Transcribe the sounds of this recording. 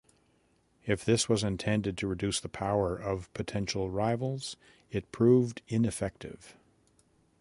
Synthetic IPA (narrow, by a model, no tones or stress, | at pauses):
ɨfðɪswʌzɨ̃ntʰɛ̃ndɨd̚tʰɨɹɨdʉsðəpʰaʊə˞ʔʌv̥pʰɨtʰɛ̃nʃl̩ˠɹaɪvl̩ˠz̥ | ɨt̚pʰɹ̥uvdɪ̃nɨfɛk̚tɪ̰v̥